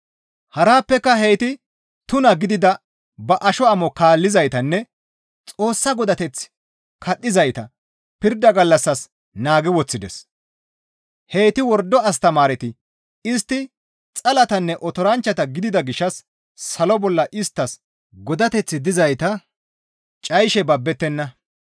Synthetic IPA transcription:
hɐɾaːpːɛkːɐhe̞jt̪ɪ | t̪ʊnɐɡɪd̪ɪd̪ɐ | bɐʔɐʃɔɐmɔkaːlːɪzɐjt̪ɐnːɛ | t͡sʼo̞ːsːɐɡɔd̪ɐt̪ɛt͡sː | kʰɐɗːɪzɐjt̪ɐ | pɪɾd̪ɐɡɐlːɐsːɐs | naːɡɪwɔt͡sːɪd̪ɛ̰s | he̞ːt̪ɪwɔɾd̪ɔɐs̬t̪ɐmaːɾɛt̪ɪ | ɪst̪ːɪ | t͡sʼɐlɐt̪ɐnːɛʔɔt̪ɔɾɐnt͡ʃːɐt̪ɐɡɪd̪ɪd̪ɐɡɪʃːɐsː | ɐlɔbɔlːɐʔɪst̪ːɐs | ɡɔd̪ɐt̪ɛt͡sːɪd̪ɪzɐjt̪ɐ | t͡ʃʼɐjʃɛbɐbːɛt̪ːɛnːɐ

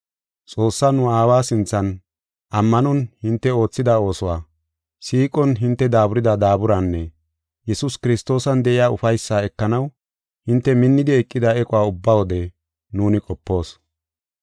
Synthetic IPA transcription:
t͡sʼo̞ːsːanʊaːwaːsɪnt͡sːɐn | ʔɐmːɐnɔnhɪnt̪ːɛo̞ːt͡sːɪd̪ao̞ːsɔwaː | siːkʼɔnɦɪnt̪ːɛd̪aːbʊɾɪd̪ɐd̪aːbʊɾɐnːɛ | jɛsʊskɪɾɪst̪o̞ːsɐnd̪ɛʔɪjaːʊfɐjsːaɛkːɐnɐw | hɪnt̪ːɛmɪnːɪd̪ɪɛkʼːɪd̪ɐɛkʼɔwaːʊbːawɔd̪ɛ | nuːnɪkʼɔpːo̞ːs

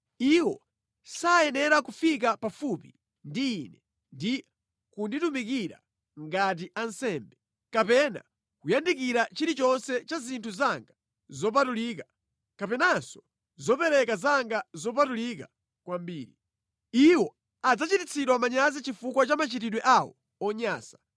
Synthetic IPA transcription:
iwɔ | sajɛnɛɾakufik̬apafupḭ | ndiːnɛ | ndi | kunditumikiɾa̰ | ŋɡat̬iʔansɛːmbɛ | kapɛna̰ | kujandikiɾat͡ʃiɾit͡ʃɔnsɛt͡ʃazintʰuzaŋɡa | zɔp̬atuliːka | kapɛnansɔ̥ | zɔpɛɾɛkazaŋɡazɔp̬atulika | kwambiːɾi | iwɔ | ad͡zat͡ʃitit͡sʰiɗwamaɲazit͡ʃifukwat͡ʃamat͡ʃitiɗwɛʔawɔ̰ | ɔɲaːsḁ

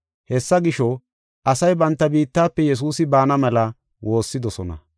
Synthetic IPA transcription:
hɛsːɐɡɪʃɔ | ʔɐsɐjbɐnt̪ːɐbiːt̪ːaːpːɛjɛs̬uːsɪbaːnɐmɛlɐ | wo̞ːsːɪd̪ɔsɔnɐ̰

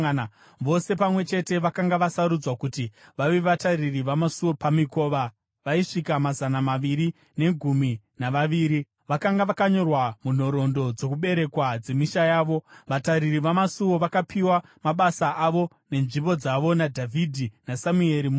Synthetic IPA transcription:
ʋo̞se̞pamwe̞t͡ʃe̞te̞ʋakaŋɡaʋasaɾud͡zwakutiʋaʋeʋataririʋamasuopamiko̞ːʋa | ʋaiʂikamazanamaʋiɾi | ne̞ɡʱumi | naʋaʋiːɾi | ʋakaŋɡaʋakaɲo̞rwamun̤o̞ɾo̞ndo̞d͡zo̞kuɓe̞ɾe̞kwad͡ze̞miʃajaːʋo̞ʋataɾiriʋamasuwo̞ʋakapʰiwamaɓasaʔaʋo̞ | ne̞nʐimbo̞d͡zaʋo̞nadʱavʱidʱinasamue̞ɾim

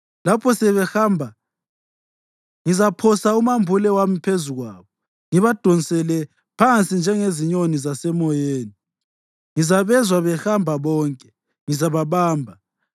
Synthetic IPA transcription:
lapʰɔsɛβɛhambʱa | ŋizapʰɔsaumambʱulɛwamipʰezuɣwaːβɔ | ŋiβad̥ʱɔnisɛlɛ | pʰant͡sʼind͡ʒʱɛŋeziɲonizasɛmɔjeːni | ŋizaβɛzwaβɛxambʱaβɔːŋkʼɛ̥ | ŋizaβaβaːmbʱa

